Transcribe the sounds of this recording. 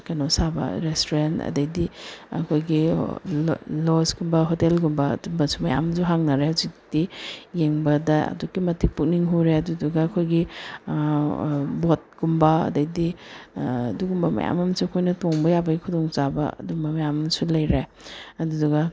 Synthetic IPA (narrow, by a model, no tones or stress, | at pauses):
kanosabɐ̰ɾestoɾentɐ̰dɐjdiɐ̰kʰojɡi | losɡumbɐɦotelɡumbɐ̰dumbɐsumɐja̰mzuɦaŋnaɾeazikdijeŋbɐdɐɐ̰dukːimɐtik̚puk̚niŋɦuɾeɐduduɡɐːkʰojɡi | bot̚ɡ̥umbɐɐ̰dɐjdi | duɡumbɐmɐ̰ja̰mɐmsuɐkʰojnɐtoŋbɐjabɐɡikʰudoŋt͡ʃabɐ̰ɐ̰dumbɐmɐjamsulɐjɾe | ɐduduɡɐ